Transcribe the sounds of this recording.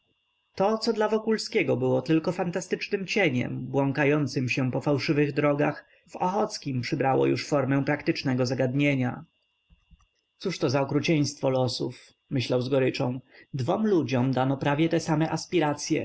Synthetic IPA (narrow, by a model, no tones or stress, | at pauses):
t̪ɔt̪sɔd̪lavɔkulskʲɛɡɔbɘwɔt̪ɘlkɔfant̪ast̪ɘt͡ʂnɘmt͡ɕeɲɛ̰mbwɔŋkajɔnt̪sɘmɕɛpɔfawʂɘvɘɣd̪ɾɔɡax | vɔxɔt̪skʲimpʂɘbɾawɔ̰jṵʂfɔɾmɛ̃pɾakt̪ɘt͡ʂnɛɡɔzaɡad̪ɲeɲa̰ | t̪suʂt̪ɔzaɔkɾut͡ɕej̃st̪fɔlɔsuf | mɘɕlawzɡɔɾɘt͡ʂɔ̃w̃d̪vɔmlud͡ʑɔmd̪anɔpɾavʲjɛt̪ɛsamɛʔaspʲiɾat̪sʲjɛ̰